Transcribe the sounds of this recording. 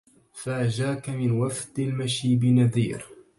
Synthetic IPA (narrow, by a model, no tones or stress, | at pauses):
faʔaʒaːkamɪnwafd̪almaʃiːbɪnaðḭːɾ